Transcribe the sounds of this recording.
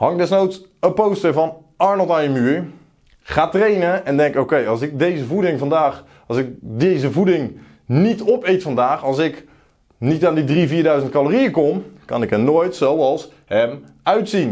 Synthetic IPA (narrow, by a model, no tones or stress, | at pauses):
hɑŋdɛsnowtsəpowstəɹvɑn | ɑɹnəlˠtajəmyːɹ | χaːtrejnəɛndɛŋkowkejɑsɪk̚dejzəvudɪŋvɑndaːχ | ɑsɪkdejzəvudɪŋ | nitɔpejtfɑndaːχɑlˠsɪk | nitaːndidriviːɹdœɥzənt̚kalorijəkɔmkɑ̰nɪkɦənoːjtsowɑlˠs | hɛm | œɥtsin